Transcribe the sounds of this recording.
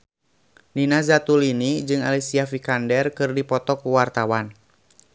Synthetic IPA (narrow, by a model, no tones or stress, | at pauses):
ninazat̪ulinid͡ʒɨŋa̰lisiafikandɛrkɨrdipɔt̪ɔkuwart̪awan